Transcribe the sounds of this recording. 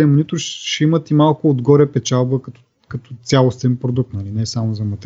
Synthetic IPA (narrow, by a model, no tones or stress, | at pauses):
ɛmʊnit̪ʊʃɛimət̪imalˠkʊod̪ɡɔɾɛpɛt͡ʃalˠbəkɐt̪ɔ | kɐt̪ɔt̪sʲjalˠost̪ɛnpɾod̪uk̚t̪nɐlinɛsamozɐmɐt̪ɛ